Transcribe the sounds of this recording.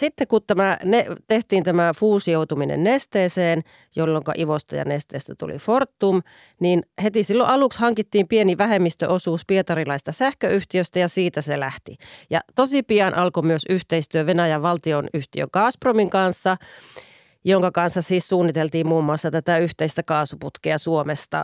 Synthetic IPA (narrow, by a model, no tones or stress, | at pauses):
sit̪ːekut̪t̪æmænet̪eht̪iːnt̪æmæfuːsijout̪uminḛnnest̪eːseːn | jolːoŋkɑ̰ʔiʋost̪ɑ̰jɑ̰nest̪ḛːst̪æt̪ṵlḭfort̪ːum | ninhet̪isilːo̰ʔɑlukshɑŋkit̪ːiːmpieniʋæhemːist̪ø̰ʔosuːspiet̪ɑrilɑist̪ɑsæhkøyht̪iøst̪æjɑsiːt̪æselæht̪ijɑ̰t̪osipijɑnʔɑlkomyøsyht̪eist̪yøʋenæjæʋɑlt̪ionyht̪iø̰ŋkɑːspromiŋkɑnsːɑ | joŋkɑkɑnsːɑsiːssuːnːit̪elt̪iːmmuːmːuɑsːɑt̪æt̪æyht̪eist̪ækɑːsuput̪keɑsuomest̪ɑ̰